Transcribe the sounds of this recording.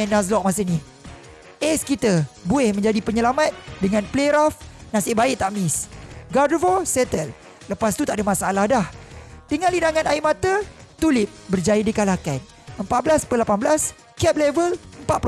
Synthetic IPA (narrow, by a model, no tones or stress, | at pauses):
ɛnas̬lɔk̚mas̬əni | ʔɛskit̪əbuɪhmə̃ɲd͡ʒadipəɲəlamãt̪̚dəŋãnpleɾafnãsɪʔbaɪʔt̪aʔmisɡadvosɛt̪əlː | əpas̬t̪ut̪aʔadamãsalahdahd̥əŋãnlinaŋãnaiʔmat̪ət̪ulɪp̚bərd͡ʒajadikalakan | əmpat̪̚blaspəlapanblas | kɛp̚lɛvələmpat̪̚p